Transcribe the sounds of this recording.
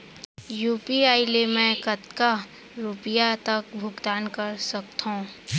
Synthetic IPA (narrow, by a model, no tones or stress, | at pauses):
juːpiaːɪlemɛ̃kɐt̪ka | ɾupɪjat̪ɐk̚bʱʊɡd̪aːnkɐɾsɐk̚t̪ɦõː